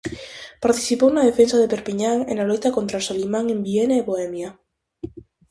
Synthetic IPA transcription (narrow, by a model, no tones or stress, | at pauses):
paɾt̪i̥θipownaðefensaðepeɾpiɲaŋḛnalojt̪akont̪ɾasolimãŋembienaeβoɛmja